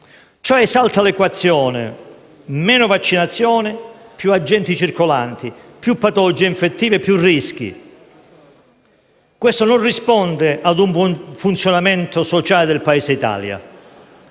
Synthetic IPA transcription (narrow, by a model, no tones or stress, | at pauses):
t͡ʃɔɛsalt̪alɛkwat̪sːjɔːnɪ̰ | mɛːnʊvat͡ʃːinat̪sːjɔːnɪpjuad͡ʒːɛnt̪it͡ʃirkolant̪ipjupːat̪olod͡ʒiːiɱfet̪ːiːvepːjurːisk̟ḭ | kwest̪ononrispɔnd̪ɪʔad̪uɱfunt̪sjonamɛnt̪osot͡ʃaːlɪd̪elpaeːseit̪a̰ːlja̰